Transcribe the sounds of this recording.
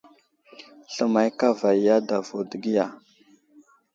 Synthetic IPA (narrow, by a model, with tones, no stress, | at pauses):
ɬə˨ma˨jka˦va˨jja˦da˨vo˨də˨ɡi˦ja˨